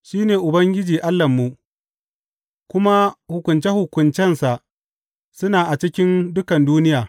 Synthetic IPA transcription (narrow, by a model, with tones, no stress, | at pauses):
ʃiː˦neː˨ʔʊ˨bɐ˦ŋɡʲɪ˦d͡ʒiː˨ʔa˦lːɐ˨mːu˨ | kʷʊ˦ma˦hʊ˨kʷʊ˨nt͡ʃe˦hʊ˨kʷʊ˨nt͡ʃɛ˦nsa˨ʔ | sʊ˦naː˨ʔa˨t͡ʃɪ˦kʲɪ˦ndʊ˦kɐ˨nduː˦nɪ˦jaː˨